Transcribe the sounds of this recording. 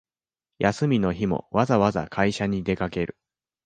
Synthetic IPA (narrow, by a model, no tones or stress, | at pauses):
jasɨmʲino̞çimo̞̰βazaβaza̰kʰaiɕaɲ̟id̪e̞kake̞ɾɯ̟̰